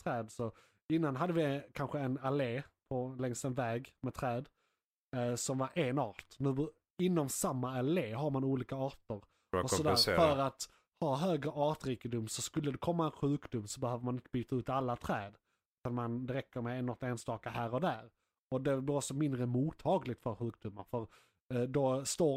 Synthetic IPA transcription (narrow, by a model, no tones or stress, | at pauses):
t̪ʰɾɛːd̪sɔ | ɪnːanɦad̪ːəvɪkʰanɧəɛnaleːpʰɔlɛŋst̪ɛnvɛːɡmɛt̪ʰɾɛːd̪ | sɔmvaɾʔeːnɑːt̪nʉ̟ː | ɪnːɔmsamːaaleːɦaɾmanuːliːkaɑːʈəɾ | ɔsɔd̪ɾfœɾat̪ | hɑːɦøːɡɾəʔɑːʈɾiːkəd̪ʊmsɔskɵlːəd̪ɛkʰɔmːaɛnɧʉ̟ːkd̪ʊmːsɔbɛhøːvəɾmanɪnt̪əbyːt̪aʉ̟ːt̪alːat̪ʰɾɛːd̪ | ʉ̟t̪anmand̪ɛɾɛkːəɾmɛɛnːɔt̪eːnst̪ɑːkahæːɾɔd̪æːɾ | ɔd̪ɛbliːɾɔksɔmɪnd̪ɾəmuːt̪ʰːɑːɡlɪɡ̚t̪fœɾɧʉ̟ːkd̪ʊmːa̰ɾfœɾ | d̪ɔst̪oː